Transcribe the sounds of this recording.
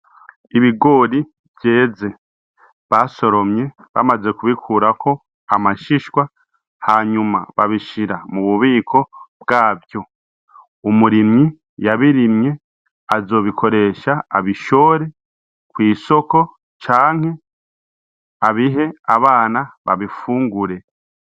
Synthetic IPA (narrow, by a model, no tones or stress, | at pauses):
iβiɡo̞ːɾi | bje̞ːze̞ | βaso̞ɾo̞mɲe̞ | βa̰maze̞kuβikʰuːɾakʰo̞ | amaʃiʃwa | haɲuma̰βa̰βiʃiɾamuβuβiːkʰo̞b̚ɡaːvjo̞ | umuɾimi | jaβiɾimɲe̞ | azo̞ːβikʰo̞ɾe̞ːʃaaβiʃo̞ːɾe̞ | kwiːso̞ko̞ | t͡ʃaːŋ̥he̞ | aβiɦe̞aβaːnaβa̰βifuːŋɡuɾe̞